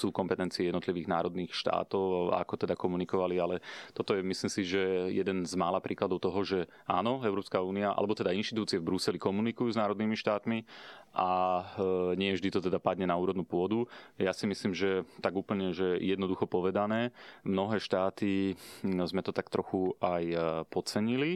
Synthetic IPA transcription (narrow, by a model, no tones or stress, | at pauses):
suːkɔmpɛt̪ɛnt͡siɛjɛd̪nɔt̪liʋiːɣna̰ːɾɔd̪niːxʃt̪a̰ːt̪ɔʊa̰kɔt̪ɛd̪akɔmunikɔʋalialɛt̪ɔt̪ɔjɛmisliːmsiʒɛjɛd̪ɛnzmaːlapɾʔiːklad̪ɔʊt̪ɔɦɔʒɛ | a̰ːnɔɛʊɾɔːpskauːniaʔa̰lɛbɔt̪ɛd̪ainʃt̪it̪uːt͡siɛvbɾusɛlikɔmunikujuːznaːɾɔd̪niːmiʃt̪aːt̪miʔa | ɲɪɛvʒd̪it̪ɔt̪ɛd̪apad̪ɲɛnauːɾɔd̪nuːpʊɔd̪ujasimisliːmʒɛt̪aɡuːpl̩ɲɛʒɛɛjɛd̪nɔd̪uxɔpɔʋɛd̪anɛːmnɔɦɛːʃt̪aːt̪i | zmɛt̪ɔt̪akt̪ɾɔxuajpɔt͡sɛɲili